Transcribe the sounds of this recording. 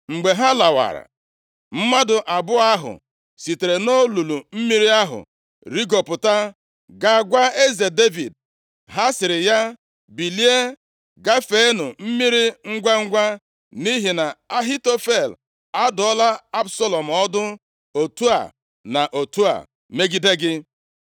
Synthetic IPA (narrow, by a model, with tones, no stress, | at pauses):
ŋ͡m̩˨ɡ͡be˨ɦa˦la˨wa̰˨ɾa̰˨ | m̩˦ma˦dʊ˨ʔa˨bʊ˦a˦ɦʊ̰˨ | si˨te˨ɾe˨no˦lu˨lu˨m̩˦mi˦ɾi˦a˦ɦʊ̰˨ | ɾi˦ɡo˨pʊ˨ta˦ | ɡa˨ɡʷa˦e˦ze˨de˦vi˨d̚ | ɦa˦sɪ˨ɾɪ˨ja˦ | bi˨li˦e˦ | ɡa˦fe˦nʊ˨m̩˦mi˦ɾi˦ŋ̩˦ɡʷa˦ŋ̩˦ɡʷa˦ | ni˦ɦi˨na˨a˦ɦi˦to˦fe˦˨l | a˦dʊ˨ɔ˦la˦a˦bso˦lo˨m̩˨ɔ˦dʊ˦ | o˨tu˦a̰˨ | na˨ʔo˨tu˦a̰˨ | me˦ɡi˦de˦ɡɪ˦